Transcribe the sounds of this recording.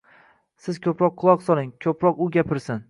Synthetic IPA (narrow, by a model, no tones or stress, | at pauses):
sɪz̥kʲʰɵpɾɒq̚ʰːʊlˠɒqsɒlˠɪŋkʲʰɵpɾɒqʊɡʲapʰɪɾsɪn